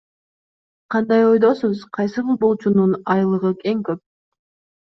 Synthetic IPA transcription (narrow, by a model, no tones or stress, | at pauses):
qʰɑnd̪ɑjo̞jd̪o̞suzqʰɑjsɯbilˠbo̞lˠt͡ʃununɑjlˠɯʁɯe̞ŋkøp̚